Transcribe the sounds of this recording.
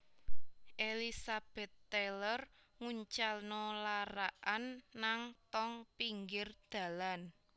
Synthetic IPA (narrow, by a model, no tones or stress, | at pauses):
ʔelisab̥ɛ̤t̪ːelər | ŋuɲt͡ʃalnɔlaɾaʔanːaŋt̪ɔŋpiŋɡɪrd̪̥a̤lan